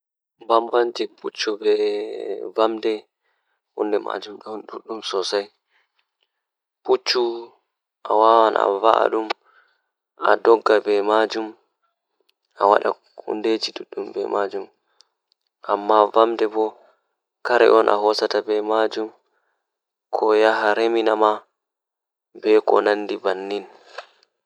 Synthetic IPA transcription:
bambaɲd͡ʒiput͡ʃːubɛ | vamdɛ | hṵndɛma̰d͡ʒumɗɔnɗuɗːumsɔsaj | put͡ʃːu | ʔawawana̰va̰ʔa̰ɗum | ʔa̰dɔɡːabɛmad͡ʒum | ʔawa̰ɗa̰ | kʰṵnded͡ʒiɗuɗːumbɛ̰mad͡ʒum | ʔamːavamdɛbɔ | kaɾɛ̰ʔɔnʔa̰ɦɔsatabɛmad͡ʒum | kʰɔjaɦaɾeminama | bɛkɔ̰nanːdibanːin

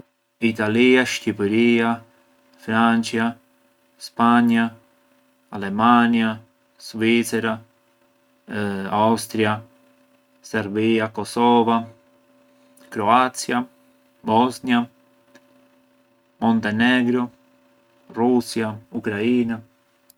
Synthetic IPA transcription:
it̪aliaʃcipɛɾia | fɾant͡ʃja | spaɲa | alɛmanja | svit̪sɛɾa | awst̪ɾja | sɛɾbiakɔsɔva | kɾɔat̪sja | bɔznja | mɔnt̪ɛnɛɡɾɔ | rusjaukɾaiːna

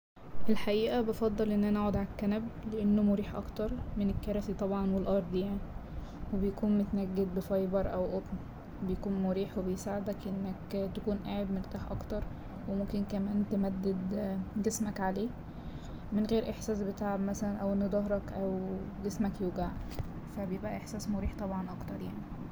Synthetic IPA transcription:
ʔelħaʔiːʔæbɑfɑd̪ˤːɑlʔenːʔænæʔaʕod̪ʕalkːænæbleʔænːomoɾiːħʔɑ̰kt̪ɑɾˤmenekːɑɾˤɑsit̪ˤɑbʕɑnwelʔɑɾˤd̪ˤjaʕni | webejækuːnmot̪næɡːed̪̚befɑjbɑɾˤʔæwʔot̪ˤn | bejkuːnmoɾiːħwebejsaːʕed̪ækʔenːækt̪ækuːnʔaːʕebmoɾt̪aːħʔɑ̰kt̪ɑɾˤ | wemomkenkæmæːnt̪emæd̪ːed̪ɡesmækʕaleː | menɣeːɾʔeħsæːsbet̪aʕabmæsælænʔæwʔenːod̪ˤɑɦɾˤɑkʔæwɡesmækjuːɡaʕ | fæbejebʔæʔeħsæːsmoɾiːħt̪ˤɑbʕɑnʔɑkt̪ɑɾˤjaʕni

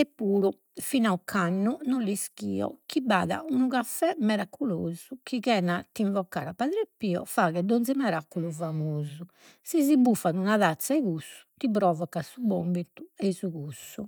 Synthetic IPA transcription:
ɛpːuːɾu | finaukʰanːunolːiskḭːɔ̰kiba̰ːða̰unuɣafɛmɛɾakʰuloːzukiɣɛnat̪ːiɱvɔkːa̰ːɾapːaðɾepːiːɔ̰faɣɛd̪onimɛɾakːuluvamoːzu | sizibufːanunaðat̪sːaiɣusːu̥t̪iβɾɔːvɔkasubombit̪uɛizuɣusːu

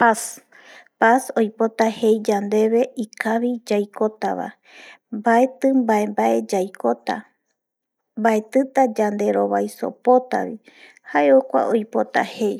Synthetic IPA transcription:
pas | paso̞jpo̞t̪ahe̞jd͡ʒand̪e̞βe̞ʔikaβid͡ʒajko̞t̪a̰βa̰ | mbae̞t̪ɨmbae̞mbaʔe̞d͡ʒajkot̪a̰ | mbae̞t̪ɨt̪ad͡ʒand̪e̞ɾo̞βajso̞̰po̞t̪a̰βi | haeokʷa̰ʔojpo̞t̪a̰hej

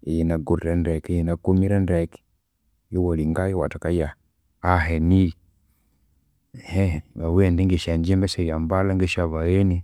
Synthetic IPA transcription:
ijinaɡuɾiɾanɾɛkjinakumiɾanɾɛki̥ | jiwoliŋɡajɔwa̰takajaː | ɦenii | heβawendiŋɡiʃaɲd͡ʒimbɛʃajambalaŋɡiʃaβajeni

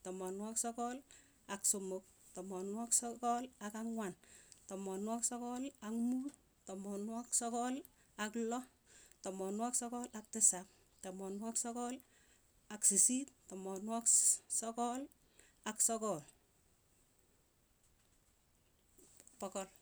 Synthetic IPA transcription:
tɔmɔnwaksɔkɔl | aksomʊk̚tɔmɔnwaksɔkɔlakaŋwantɔmɔnwaksɔkɔlakmuːt | tɔmɔnwaksɔkɔl | aklɔ | tɔmɔnwaksɔkɔlak̚tɪsap̚ | tɔmɔnwaksɔkɔl | aksisit̚tɔmɔnwaksɔkɔl | aksɔkɔl | pɔkɔl

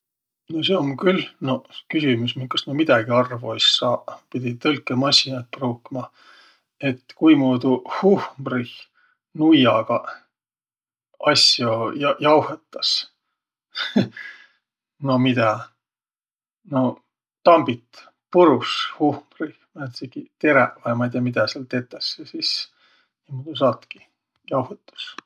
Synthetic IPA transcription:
noseomkylno̞kysʲimus̬minkɑsnomid̪ɑɡ̥iɑrvuejsɑːpid̪̥ʲit̪ɤlkːˑemɑsʲinɑt̪̚pruːkːimɑ | e̞t̪ːkujmuːd̪uhuhmrih | nujɑɡ̥ɑ | ɑsʲjojɑjɑwhet̪ːˑɑs | no̞mid̪̥ɑ | no̞ | t̪ɑmbit̪ | puɾushuhmrihmɑet̪seɡ̥it̪e̞ɾeʔvɑjmɑjd̪ʲijɑmid̪ɑseɑlt̪et̪ːˑɑsesis | nimuːd̪us̬ɑːt̪ki̥ | jɑwhet̪ːu̥s

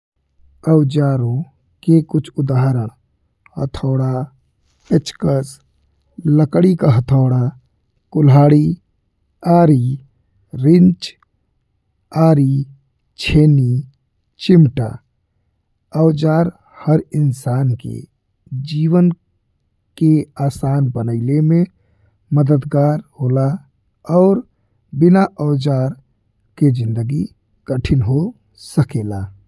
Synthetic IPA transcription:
əwd͡ʒaːɾõ | kekʊt͡ʃʰʊd̪aːɦɾə | hə̰t̪ʰɔːɽa | pɪt͡ʃkəs | ləkɽikaɦət̪ʰɔːɽa | kʊlɦaːɽi | aːɾi | ɾɪnt͡ʃ | aːɾi | t͡ʃʰeːni | t͡ʃɪmʈa̰ː | əʊd͡ʒaːɾ | həɾɪnsaːnkḛ | d͡ʒiːwən | keaːsaːnbənəɪlemẽ | məd̪əd̪ɡaːɾhoːla | ɔːɾ | bɪnaʔəʊd͡ʒaːɾ | ked͡ʒɪ̃nd̪əɡi | ɡ̥əʈʰɪnɦo | səkeːla

